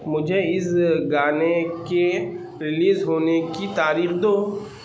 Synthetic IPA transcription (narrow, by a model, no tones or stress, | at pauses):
mʊd͡ʒʱeɪsɡaːneke | ɾɪliːzɦoːnekit̪aːɾiːxd̪oː